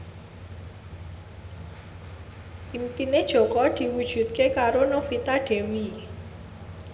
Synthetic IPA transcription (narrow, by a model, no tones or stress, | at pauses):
ʔimpined̥ʒ̥o̤kɔd̪̥i̤wud̥ʒ̥ṳt̪̚kekaɾonofit̪aɖ̥e̤wi